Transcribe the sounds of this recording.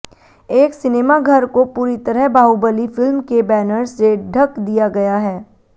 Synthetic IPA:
eːksɪneːmaɡʱɐɾkopuːɾit̪ɐɾəɦbʱaːubəlifɪlmkebɛːnəɾseɖʱɐkd̪ijaɡɐjaɦɛː

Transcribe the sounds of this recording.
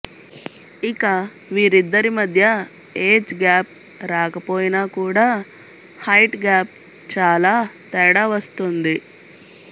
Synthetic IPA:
ikɐ | ʋiːɾid̪ːɐɾimɐd̪ʱjɐ | eːd͡ʒɡaːp̚ | ɾaːkɐpo̞ːjinaːkuːɽaː | hɐjʈɡaːp̚ | t͡ʃaːlaːt̪ɛːɽaʋɐst̪und̪i

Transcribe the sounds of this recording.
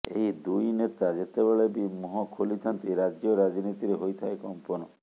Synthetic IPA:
ḛɦid̪ujnet̪ad͡ʒet̪ebeɭebimɔɦɔkʰolit̪ʰɔnt̪iɾad͡ʒjɔɾad͡ʒinit̪iɾeɦojt̪ʰaekɔmpɔnɔ

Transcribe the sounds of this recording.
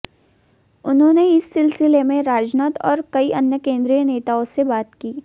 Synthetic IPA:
ʊnɦõːneɪsːɪlsɪlemẽɾaːd͡ʒnaːt̪ɔːɾkɐiʔɐnjəkẽːnd̪ɾijəneːt̪aːõsebaːt̪kiː

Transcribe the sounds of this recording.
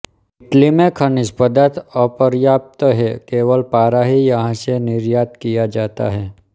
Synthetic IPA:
ɪʈlimẽkʰɐnɪspəd̪at̪ɔpəɾjaːp̚t̪ɦɛkeːʋəlpaːɾaɦijɐɦãsenɪɾjaːt̪kijad͡ʒaːt̪a̰ɦɛː

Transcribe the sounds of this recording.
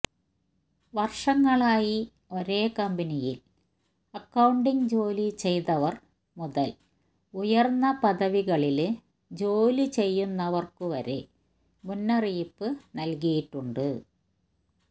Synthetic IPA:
ʋɐrʂɐŋːɐɭaːji | o̞ɾe̞ːkɐmbinijil | ɐkːɐwɳɖiŋd͡ʑo̞ːlit͡ɕe̞jt̪ɐʋɐr | muðɐl | ujɐrnːɐpɐðɐʋiɣɐɭil | d͡ʑo̞ːlit͡ɕe̞jːunːɐʋɐrkɨʋɐɾḛ | munːɐriːpːɨnɐlk̬ɐjiʈːuɳɖɨ

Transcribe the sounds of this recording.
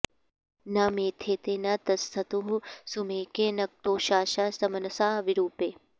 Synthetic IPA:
nɐmeːt̪ʰeːt̪eːnɐt̪ɐst̪ʰɐt̪uɦusumeːkeːnɐk̚ʈ̪oːʃaːʃaːsɐmɐnɐsaːʋiɾuːpeː

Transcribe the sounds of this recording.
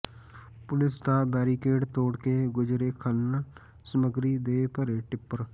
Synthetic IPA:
pʊlɪsd̪aːbɛːɾiːkeːɖt̪oːɽkeːɡʊd͡ʒɾeːkʰən | səməɡɾiːd̪eːpəɾeːʈɪpːəɾ

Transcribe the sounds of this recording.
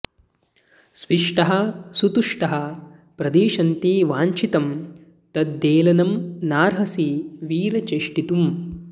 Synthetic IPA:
sʋiʂʈɐɦɐsut̪uʂʈɐɦɐ | pɾɐd̪iːʃɐnt̪iʋaːɲt͡ʃit̪ɐm | t̪ɐd̪ːeːlɐnɐmnaːɾɦɐsiʋiːɾɐt͡ʃeːʂʈit̪um

